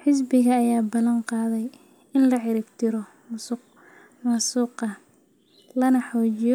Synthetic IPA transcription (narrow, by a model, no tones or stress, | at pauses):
ħɪsbɪɣɐːjaːbɐlɐnqɑːðɛj | ɪnlɐʕɪɾɪbt̪ʰɪɾɔ | mʊsq | mɐsuːqɐ | lɐnɐħɔːt͡ʃɪjɔ